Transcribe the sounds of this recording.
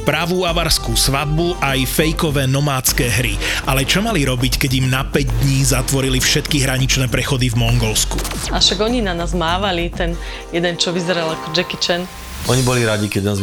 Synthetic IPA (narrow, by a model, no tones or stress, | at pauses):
pɾaʋuːaʋaɾskuːsʋad̪̚buʔajfɛjkɔʋɛːnɔmaːt͡skɛːɦɾḭʔalɛt͡ʃɔmaliɾɔbickɛɟimnapɛɟd̪ɲiːzat̪ʋɔɾilifʃɛt̪kiɦɾaɲit͡ʃnɛːpɾɛxɔd̪ivmɔŋɡɔlskuaʃaɡɔɲinanaːzmaːʋalit̪ɛn | jɛd̪ɛnt͡ʃɔʋizɛɾalakɔd͡ʒɛkit͡ʃɛn | ɔɲibɔliɾaɟikɛɟnaːz